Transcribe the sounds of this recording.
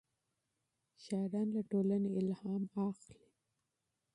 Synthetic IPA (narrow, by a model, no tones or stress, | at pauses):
ʃaɾɑnlaʈolaneɪlhɑmɑxli